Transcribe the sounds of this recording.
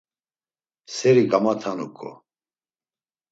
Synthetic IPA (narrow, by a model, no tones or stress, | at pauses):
sɛɾiɡamat̪ʰanukʼɔ̰